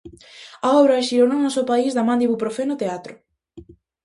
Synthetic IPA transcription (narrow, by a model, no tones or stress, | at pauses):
aɔβɾaeʃiɾononɔsopaizðamãnd̪iβupɾofenot̪eat̪ɾʊ